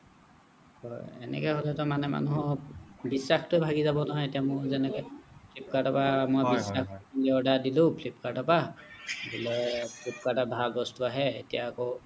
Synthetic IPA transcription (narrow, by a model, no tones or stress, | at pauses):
hɔjɛ̰nɛ̰kɛhɔlɛtɔmanɛma̰nuɦɔbisːaxtʊɛbʱaɡizabɔnaɦɔetijamʊzɛnɛkɛpʰlip̚kadɔpamɔjbisakliɔdadilʊ̃pʰlip̚kadapabilɔpʰlip̚katabʱalbɔstuaɦɛḛtijaːkɔ